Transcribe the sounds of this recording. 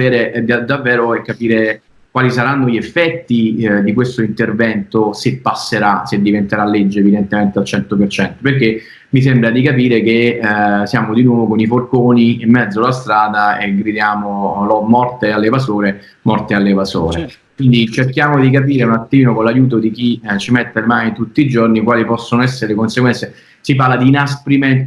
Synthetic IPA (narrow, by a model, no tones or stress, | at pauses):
eːɾed̪avːɛːɾoɛkːapiːɾe | kwaːlisaɾanːoiefːɛt̪ːid̪ikwest̪oint̪ervɛnt̪osepːasːeɾased̪ːivent̪eɾalːed͡ʒːeːvid̪ent̪ement̪ealt͡ʃɛnt̪opert͡ʃɛnt̪operke | mis̬embɾad̪ikap̬iːɾekesjaːmod̪inwɔːvokoniforkoːniimːɛd̪zːolast̪ɾaːd̪aḛɡɾid̪jaːmolɔmɔrt̪ealːevasoːɾe | mɔrt̪ealːevaso̰ːɾe | kwind̪it͡ʃerkjaːmod̪ik̬ap̬iːɾeunat̪ːiːnokonlajuːt̪̬od̪ik̟it͡ʃimet̪ːelmaːnit̪ut̪ːiːd͡ʒornikwaːlipɔsːonoɛsːeɾelekonseɡwɛnt̪se | siparlad̪iːnaspɾiment̪